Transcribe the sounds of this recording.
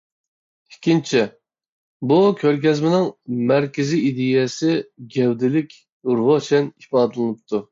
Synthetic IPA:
ikʲʰint͡ʃʰɛ | bukʲʰøɾkʲɛzmɪnɪŋmæɾkʲɪziid̪ɪjɛsɪɡʲɛwd̪ɪlɪkʲ | uɾʁot͡ʃʰɛnipɑːd̪ɨlˠɨnɨp̚t̪ʰu

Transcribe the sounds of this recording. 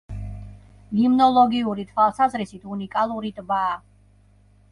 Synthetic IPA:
ɡimnɔlˠɔɡiuɾit̪ʰwalˠsazɾisit̪ʰunikʼalˠuɾit̪ʼbaː

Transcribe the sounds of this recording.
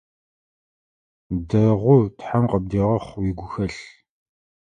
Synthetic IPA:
dɐʁʷʊtħamqəb̚diːʁɐχʷwiɡʷʊxɐɬ

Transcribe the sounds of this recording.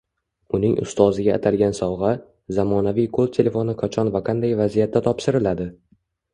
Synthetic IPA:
ʊnɪŋʔʊ̰st̪ɒzɪɡʲaːt̪ʰalɡʲansɒwʁɑ | zamɒnavijkʰolt̪ʲʰe̞le̞fo̞nɪqʰat͡ʃʰɒnvaqʰɑnd̪ajvazijat̪ʰːat̪ʰɒpʃɪɾɪlad̪ɪ

